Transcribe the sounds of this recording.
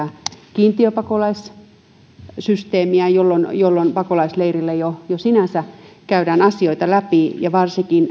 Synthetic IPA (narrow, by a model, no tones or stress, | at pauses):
ækiːnt̪iøpɑkolɑis | syst̪eːmiæjolːonjolːonpɑkolɑisleirilːejojosinæsækæydæːnɑsioit̪ɑlæpijɑʋɑrsikin